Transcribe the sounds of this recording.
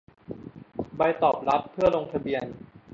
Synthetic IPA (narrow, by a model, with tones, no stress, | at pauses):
ba˧jt̪ɔː˨˩p̚ɾa˦˥t̪̚pʰɯ˥˩əɾoː˧ŋt̪ʰa˧bi˧ən